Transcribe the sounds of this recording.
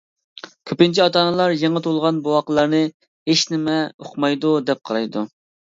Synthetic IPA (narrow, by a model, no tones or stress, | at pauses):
kʲʰøpɪnt͡ʃʰiɑt̪ɑːnɨlˠɑɾjeŋət̪ʰolˠʁɑnbowɑqəlˠɑɾnɨ | heʃnɪmɛoqmɑjd̪ud̪ɛp̚qʰɑɾˠɑjd̪u